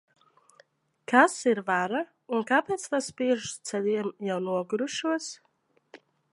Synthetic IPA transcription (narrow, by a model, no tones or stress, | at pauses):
kʰasiɾvaɾa | unkapʲɛːt̪st̪aspiɛʒst̪sɛlʲiɛmjawnuɔɡɾuʃuɔs